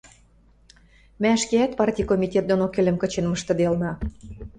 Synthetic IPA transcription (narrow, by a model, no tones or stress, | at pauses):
mæʃkeæt̪̚pɑrtʲijkomʲit̪ʲet̪̚d̪onokelʲə̆mkə̆t͡ɕenməʃt̪ɤ̆d̪elnɑ